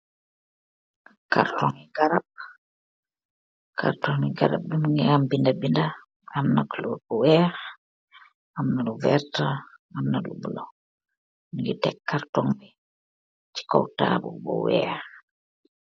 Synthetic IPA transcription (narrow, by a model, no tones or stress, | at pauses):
ka̰ɾtɔŋiɡaɾab̚ | kʰa̰ɾtɔŋiɡaɾa̰b̚bimuŋɡɛambindabinda | amnaklɔɾbɔwɛa | amnaluvɛɾtaamnalṵbulɔ | miŋɡɛtɛkːaɾtɔŋbi | t͡ʃi̥kɔ̰wta̰bṵbɔ̰wɛ̰a